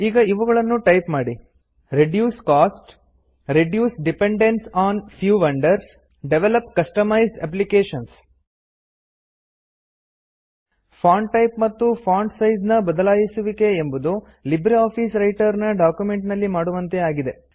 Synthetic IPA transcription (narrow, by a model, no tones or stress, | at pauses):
iːɡɐiʋuɡɐɭɐnːuʈɐjpmaːɽi | ɾeɖjuːskaːsʈ | ɾeɖjuːsɖipeɳɖensaːnpʰjuːʋɐɳɖɐɾs | ɖeʋelɐpkɐsʈɐmɐjzɐ̰p̬likeːʃɐns | pʰaːɳɖʈɐjp̚mɐt̪ːupʰaːɳɖsɐjd͡ʒnɐbɐd̪ɐlaːjisuʋike̞ːmbud̪u | libɾiaːpʰisɾɐjʈɐɾnɐɖaːkjume̞ɳʈnɐlːimaːɽuʋɐnt̪e̞aːɡid̪e̞